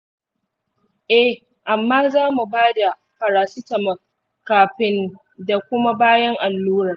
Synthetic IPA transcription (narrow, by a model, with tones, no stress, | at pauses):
ʔɛ˦ | ʔa˨mːaː˦zaː˦mu˨baː˦da˨ | ɸɐ˨ɾaː˨sɪ˦tɐ˨mɐ˨ | kaː˨ɸɪ˦n | da˨kʷʊ˦ma˦baː˦jɐ˦ŋʔa˨lːuː˦ɾɐ˨r